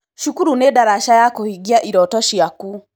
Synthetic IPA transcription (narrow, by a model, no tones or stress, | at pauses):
ʃukuɾunedaɾaʃajakohiɡiaʔiɾɔtɔʃiaku